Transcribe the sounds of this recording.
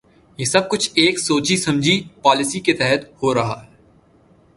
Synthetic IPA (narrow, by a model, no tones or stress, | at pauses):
jesɐb̚kʊt͡ʃʰeːksoːt͡ʃisɐ̃md͡ʒʱipaːlɪsiket̪ɛɦət̪hoːɾɐɦa̰ːɦɛ